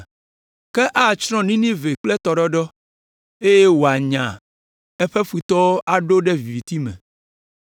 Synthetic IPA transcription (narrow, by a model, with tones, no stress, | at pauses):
kɛ˦ʔa˦˨t͡ʃɾ̃ɔ̃˦nĩ˦nĩ˦ve˨k͡plɛ˦t̪ɔ˨ɖɔ˦ɖɔ˦ | e˦je˦wo˨a˨ɲã̰˨ | ɛ˦ɸɛ˦ɸi˨t̪ɔ˦o˦ʔa˨ɖo˦ɖɛ˦vi˨vi˨t̪i˦mɛ̰̃˨